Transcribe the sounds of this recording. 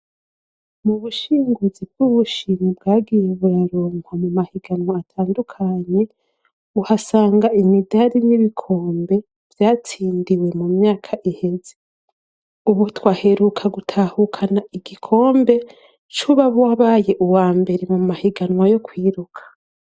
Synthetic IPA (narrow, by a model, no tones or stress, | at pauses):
muβuʃiːŋɡuzibɡ̥uβuʃimubɡaːɡijeβuɾaɾoːmwamumahiɡanwaːtʰaːndukʰaːɲe̞ | uhasaːŋɡaimidaɾiniβikʰo̞ːmbe̞ | v̥jaːt͡siːndiwe̞mumɲaːkʰaʔihe̞ze | uβutwaːhe̞ɾukʰaɡutʰahukʰanaʔiɡikʰo̞ːmbe̞ | t͡ʃuβaβwaβaːje̞ʔuwaːmbe̞ɾe̞mumahiɡanŋwajo̞kwiːɾukʰḁ